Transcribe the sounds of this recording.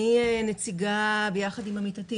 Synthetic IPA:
ienet͡siɡabejaχadimamitati

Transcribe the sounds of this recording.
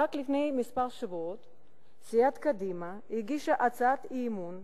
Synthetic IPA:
aklifnejmispaʁʃavuot̪ | sijat̪kad̪ima | iɡiʃaʔat͡sat̪imun

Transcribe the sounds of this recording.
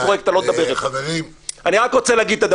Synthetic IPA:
oʁek̚t̪alond̪abeʁleaveʁianiʁakʁot͡seleaɡid̪̚t̪ad̪

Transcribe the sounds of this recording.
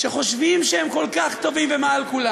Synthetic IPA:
ʃeχo̞ʃvimʃehemko̞lkaχt̪o̞vimvemaalkula

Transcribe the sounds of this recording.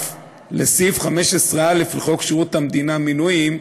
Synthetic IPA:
lesifχame̞ʃesʁealifliχokʃiʁut̪hamd̪inaminujim

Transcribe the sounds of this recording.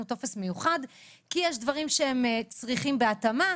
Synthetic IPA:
uto̞fe̞sme̞juχad | kijɛʃdvaʁimʃee̞mt͡sʁiχimbe̞atama

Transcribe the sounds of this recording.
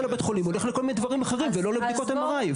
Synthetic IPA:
labet̪χolimole̞χleko̞lmined̪vaʁimaχe̞ʁimvelo̞lebd̪ikot̪amaʁaj

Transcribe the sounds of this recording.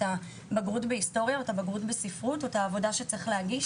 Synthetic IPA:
ta | baɡʁutbehisto̞ʁjaotabaɡʁutbesifʁutotaːvo̞daʃe̞t͡seχleaɡi

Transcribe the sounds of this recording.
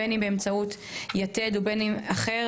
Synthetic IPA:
enimbeemt͡saut | jated̪ubenimaχe

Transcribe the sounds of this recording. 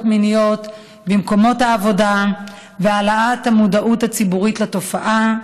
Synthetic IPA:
tminijot | bimko̞mo̞thaːvo̞da | vealaathamudaʔuthat͡sibuʁitlato̞faʔa

